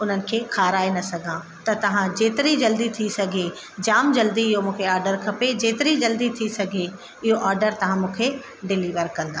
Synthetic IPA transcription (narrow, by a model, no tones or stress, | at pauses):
ʊn̤ənɪ̆kʰeːkʰaːɾaːenɐsɐɡʱã | t̪ɐt̪ɐʋ̤ãd͡ʑeːt̪ɪɾid͡ʑɐld̪it̪ʰisɐɡʱe | d͡ʑaːmd͡ʑɐld̪iɪɦomũːkʰeaːɾɖəɾkʰɐped͡ʑeːt̪ɪɾid͡ʑɐld̪it̪ʰisɐɡʱe | ɪɦoʔaːɾɖəɾt̪ɐʋ̤ãmũːkʰe | ɖɪliːʋəɾkɐ̃nd̪aː